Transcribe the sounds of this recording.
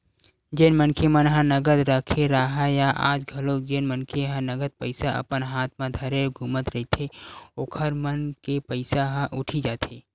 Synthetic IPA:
d͡ʒeːnmənkʰemənɦə̃nəɡəd̪ɾəkʰeɾaɦajaʔa̰ːd͡ʒɡʱəlokd͡ʒenmənkʰeɦə̃nəɡəd̪̚pəɪsaʔə̰pənɦaːt̪ʰmãd̪ʱɐɾeɡʱuːmət̪ɾəɦit̪ʰeoːkʰəɾmənkepəɪsaɦə̃ʔʊʈʰid͡ʒaːt̪ʰeː

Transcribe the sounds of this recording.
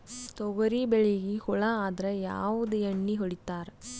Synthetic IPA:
t̪ɔɣɐɾibɛɻɪɣikʊɭɐaːðɪɾɐja̰ːʋɐðɯɛɳːikɔɽɪt̪ːaːɾ

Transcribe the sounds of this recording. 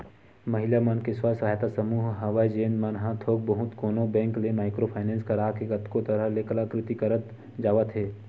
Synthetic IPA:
məɦɪlamənkeswasəɦajt̪asəmuːɦɦɐʋajd͡ʒeːnmənɦãt̪ʰoːk̚bɐɦʊt̪koːnõbɛ̃ːŋklemaːɪkɾopʰaːɪnɛ̃ːnskəɾaːkeɡət̪kot̪əɾəɦleklakɾɪt̪ikəɾət̪ | d͡ʒaːʋət̪ɦeː

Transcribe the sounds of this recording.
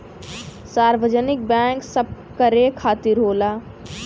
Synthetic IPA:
saːɾʋəd͡ʒənɪk̚bɛ̃ːŋksəb̚ | kəɾekʰaːt̪ɪɾɦoːlaː

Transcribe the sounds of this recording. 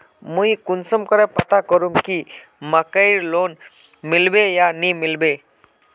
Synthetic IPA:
mujkunsɔmkɔɾɛpət̪akɔɾumki | məkəjɾlon | milbejanimilbe

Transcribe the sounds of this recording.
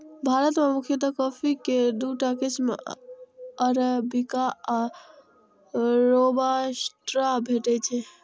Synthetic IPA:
bʱaɾət̪memukʰjət̪əkəpʰiked̪uʈakesmḛ | əɾbikaa | ɾobasʈɾabʱeʈɛt͡ʃʰɛ

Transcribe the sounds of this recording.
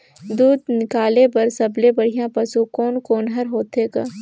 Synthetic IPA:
d̪uːd̪nɪkaːlepɐɾsɐblebɐɽ̤ijãpɐsukoːnkoːnɦɐɾɦoːt̪eːɡaː

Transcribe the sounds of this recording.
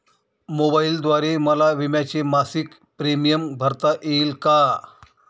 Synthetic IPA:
mobaild̪ʋaɾeməlaʋimjat͡ɕemasik | pɾemijəmbʱəɾt̪aʔeilka

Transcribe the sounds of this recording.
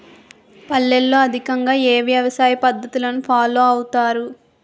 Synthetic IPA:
pɐlːɛlːo̞ːɐd̪ʱikɐŋɡaːeːʋjɐʋɐsaːjɐpɐd̪ʱːɐt̪ulɐnupʰaːloːɐwut̪aːɾu

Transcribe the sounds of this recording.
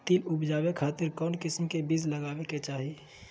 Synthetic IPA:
t̪iːlʊbd͡ʒaːwekʰaːt̪ɪɾkɔːnkɪsəmkebizləɡaːweket͡ʃaːɦi

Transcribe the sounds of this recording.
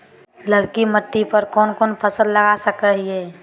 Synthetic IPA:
ləlkiməʈ̪ːipəɾkɔːnkɔːnpʰəsəlːəɡasəkəɦiɦɛː

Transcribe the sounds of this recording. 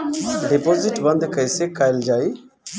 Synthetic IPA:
ɖepoːzɪʈbə̃nd̪kəjsekaːɪld͡ʒaːi

